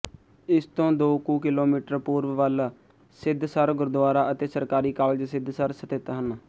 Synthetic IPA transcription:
ɪst̪õːd̪oːkuːkɪloːmiːʈəɾpuːɾʋʋəl | sɪd̪ʱsəɾɡʊɾd̪aːɾaːʔət̪eːsəɾkaːɾiːkaːld͡ʒsɪd̪ʱsəɾsət̪ɪt̪ɦənː

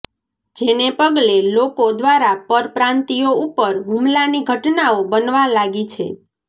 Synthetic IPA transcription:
d͡ʒenepəɡlelokod̪ʋaɾapəɾpɾãnt̪ioupəɾɦumlaniɡʱəʈnaobənʋalaɡit͡ʃʰḛ

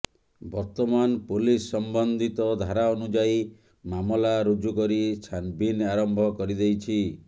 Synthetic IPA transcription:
bɔɾt̪ɔmanpolisːɔmbɔnd̪ʱit̪ɔd̪ʱaɾaɔnud͡ʒai | mamɔlaɾud͡ʒukɔɾit͡ʃʰanbinaɾɔmbʱɔkɔɾid̪ejt͡ʃʰi

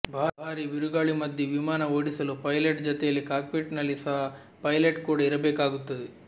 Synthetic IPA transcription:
bʱaːbʱaːɾiʋiɾuɡaːɭimɐd̪jɐʋimaːnɐoːɽisɐlupɐjleʈd͡ʒɔt̪ɛjɐlːikaːkpiʈnɐlːisɐɦa | pɐjleʈkuːɽɐiɾɐbɛːkaːɡut̪ːɐd̪e

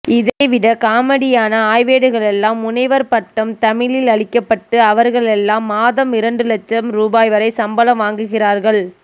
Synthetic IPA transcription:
ɪðɐɪʋɪɽɐkaːmɐɽɪjaːnɐaːjʋeːɽɯɣɐɭɛlːaːmʊnɐɪʋɐɾpɐʈːɐmt̪ɐmɪlɪlɐɭɪkːɐpːɐʈːɯɐʋɐɾɣɐɭɛlːaːmːaːðɐmɪɾɐɳɖɯlɐt͡ʃːɐmɾuːbaːjʋɐɾɐɪsɐmbɐlɐmʋaːŋɡɯɣɪraːɾɣɐɭ

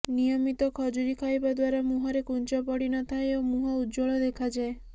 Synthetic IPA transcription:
nijɔmit̪ɔkʰɔd͡ʒuɾikʰajbad̪waɾamuɦɔɾekunt͡ʃɔpɔɽinɔt̪ʰaeomuɦɔud̪d͡ʒoɭɔd̪ekʰad͡ʒae

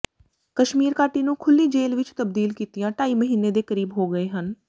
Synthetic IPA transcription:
kəʃmiːɾkaːʈiːnũːkʰʊlːiːd͡ʒeːlʋɪt͡ʃt̪əb̚d̪iːlkiːt̪ɪjãːʈaːiːməɦiːnːeːd̪eːkəɾiːbɦoːɡəeːɦən

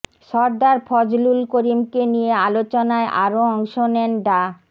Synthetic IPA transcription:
ʃɔɾd̪aɾpʰɔd͡ʑlulkoɾimkenijealot͡ɕonaeʔaɾoɔŋʃonɛnɖa

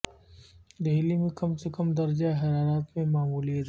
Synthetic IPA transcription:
d̪eɦlimẽkɐmsekɐmd̪ɐɾd͡ʒaɦɐɾaːɾaːt̪mẽmaːmuːlied̪

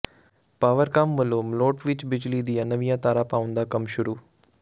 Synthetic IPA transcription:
paːʋəɾkaːmʋəlomloːʈʋɪt͡ʃbɪd͡ʒlid̪ijãnəʋĩjãt̪aːɾapaːʊ̃nd̪akɐmʃʊɾuː

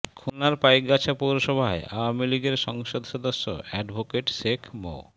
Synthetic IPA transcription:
kʰunaɾpajk̚ɡat͡ɕʰapoɾoʃɔbʱaeawamiliɡeɾʃɔŋʃod̪ʱʃod̪oʃːo̰ɛɖbʱokeʈʃekʰmo̰

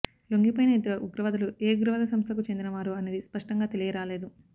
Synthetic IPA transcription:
loŋɡipɐjinɐid̪ɐɾɐʔuɡɾɐʋɐd̪ɐluʔeːɡuɾɐʋɐd̪ɐsɐmst̪ʰɐkut͡ʃe̞nd̪inɐʋaːɾuɐneːd̪ispɐʂʈɐŋɡaːt̪e̞lijɐɾaːle̞ːd̪u

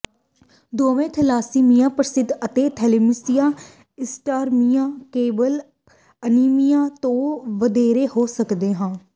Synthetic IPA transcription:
d̪oːʋẽːt̪ʰəlaːsiːmijãːpɾəsɪd̪ət̪eːt̪ʰɛlemɪsijãː | ɪsʈaːɾmijãːkeːbəl | əniːmijãːt̪õːʋəd̪eːɾeːhoːsəkd̪eːɦãː

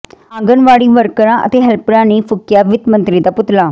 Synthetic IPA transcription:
ãːŋɡənʋaːɽiːʋəɾkəɾãːʔə̰t̪eːɦɛlpɾãːniːpʰʊkjaːʋɪt̪mə̃nt̪ɾiːd̪aːpʊt̪laː

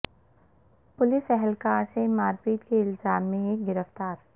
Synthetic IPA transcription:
pʊlɪsɛɦɛlkaːɾsemaːɾpiːt̪keɪlzaːmːẽeːk̚ɡɪɾəft̪aːɾ

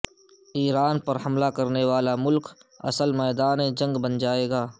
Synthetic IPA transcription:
iːɾaːnpɐɾɦɐmlakɐɾneʋaːlamʊlkɐ̰səlmɛːd̪aːnẽd͡ʒɐ̃ŋɡbɐnd͡ʒaːeːɡaː

